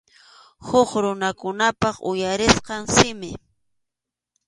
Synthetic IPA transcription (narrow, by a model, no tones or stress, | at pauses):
hʊχɾʊnakʊnapɑχʊ̰jaɾɪsqɑŋsɪmɪ